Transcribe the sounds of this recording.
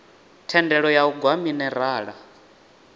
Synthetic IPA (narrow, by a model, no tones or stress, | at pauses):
tʰɛndɛɺɔjauɡwaminɛɾaːɺa